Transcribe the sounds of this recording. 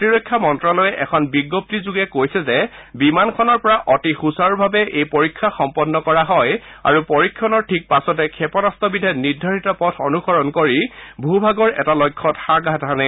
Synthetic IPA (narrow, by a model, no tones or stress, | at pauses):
tiɹɔjkʰːamɔntɹɔlɔjɛʔɛkʰɔnbiɡːop̚tizuɡɛkojsɛzɛbimankʰɔnɔɹpɔɹaʔɔtixusaɹbʱabɛʔejpoɹikʰːaxɔmpɔnːɔkɔɹaɦɔja̰ɹupɔɹikʰːɔnɔɹtʰik̚pasɔtɛkʰɛpɔnastɔbidʱɛniɹdʱaɹitɔpɔtʰɔnuxɔɹɔnkoɹibʱubʱaɡɔɹɛ̰talɔjkʰːɔtxaɡatʰanɛ